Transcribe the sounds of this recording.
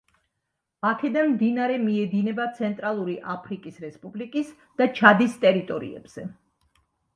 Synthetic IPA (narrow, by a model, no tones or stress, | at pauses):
akʰɛd̪anmd̪inaɾɛmiɛd̪inɛbat̪sʰɛnt̪ʼɾalˠuɾiʔapʰɾikʼisɾɛspʼublikʼis | d̪̥at͡ʃʰad̪ist̪ʼɛɾit̪ʼɔɾḭɛ̰b̥z̥ɛ